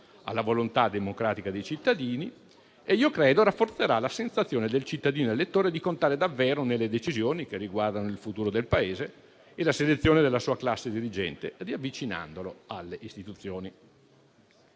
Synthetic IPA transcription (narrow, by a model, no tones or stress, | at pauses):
a̰lːavolont̪ad̪emokɾaːt̪ikad̪ejt͡ʃit̪ːad̪iːni | eiːokɾeːd̪oɾafːort̪seɾalasensat̪sːjoːned̪elt͡ʃit̪ːad̪iːnoelet̪ːoːɾed̪ikont̪aːɾed̪avːeːɾonelːed̪et͡ʃizjoːnikerːiɡward̪anoilfut̪uːɾod̪elpaeːze | elaselet̪sːjoːned̪elːasuːaklasːed̪iɾid͡ʒɛ̰nt̪ediavːit͡ʃina̰nd̪oloalːeʔist̪it̪ut̪sːjoːni